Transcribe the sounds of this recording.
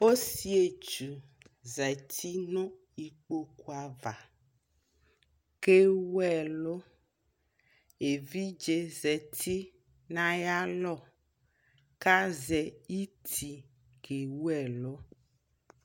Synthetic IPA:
o˦si˦e˨t͡ʃu˨ | zɛ˨t̪ʰi˦nõ˦ | i˨k͡po˦ku˦a˨va˨ | ke˦wu˦ɛ˨lo˦ | e˨vi˦d͡ʒe˨zɛ˨t̪ʰi˦ | nã˦ja˦lɔ˦˨ | ka˦zɛ˨i˦t̪ʰi˨ | ke˨wu˦ɛ˨lo˦

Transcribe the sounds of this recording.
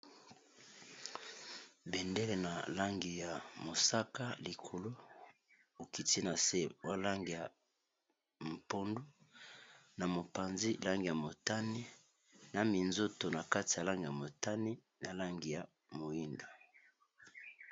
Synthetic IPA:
bɛ˨nde˦le˨na˨la˦ŋɡi˨ja˨mo˨sa˦ka˦li˨kʰo˨lo˦ | o˨ki˨ti˦na˨se˦wa˦la˦ŋɡi˨ja˨ | m̩˨po˦ndo˦ | na˨mo˨pa˨nzi˦la˦ŋɡi˨ja˨mo˨ta˦ni˦ | na˨mi˨nzo˦to˨na˨ka˦ti˨ja˨la˦ŋɡi˨ja˨mo˨ta˦ni˦ | na˨la˦ŋɡi˨ja˨ | mo˨i˦ndo˨

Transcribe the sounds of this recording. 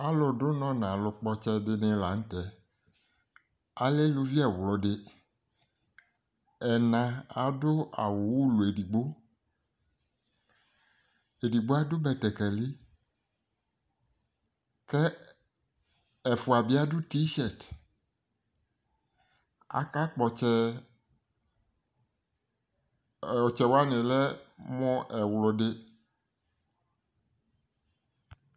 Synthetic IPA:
a˦lɔ˨ɖʊ˦nɔ̃˦nã˨lʊ˨k͡pɔ˦t͡ʃɛ˦ɖɪ˦nẽ˦la˨ŋ̩̃˦tɛ˨ | a˨˦le˦lu˦vi˦ɛ˨wlɔ˨ɖɪ˦ | ɛ˨nã˨a˨dʊ˦a̰˨wʊ˨wu˦lu˨e˨di˨ɡ͡bo˦ | e˨di˨ɡ͡bo˦a˦dʊ˦bɛ˨t̪ɛ˨kɛ˨li˦ | kɛ˦ | ɛ˨fo˨a˨bi˦a˦du˦ti˦ʃɛ˦˨t | a̰˨ka˦k͡pɔ˨t͡ʃɛ˦˨ | ɔ˨t͡ʃɛ˨wo˦a˦nɛ̃˨lɛ˦mɔ̃˦ʔɛ˨wlɔ˨ɖe˦

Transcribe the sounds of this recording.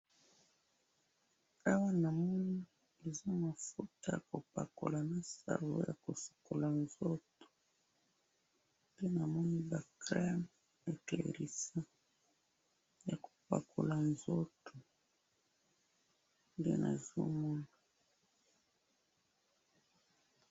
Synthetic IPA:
a˦wa˦na˨mɔ˦ni˦ | e˨zo˦ma˨fu˦ta˦ja˨ko˨pa̰˨ko̰˨la˨na˨sa̰˨wo̰˦ja˨ko˨so̥˨ko˨la˨nzo˦to̥˨ | nde˦na˨mɔ˦ni˦ba˨kʁɛ˦m | e˨te˨ḛ˨ɾi˨sa˦ | ja˨ko̥˨pa̰˨kʰo˨la˨nzo˦to˨ | ndḛ˦nʔa̰˨zo̰˦mɔ˦na˨

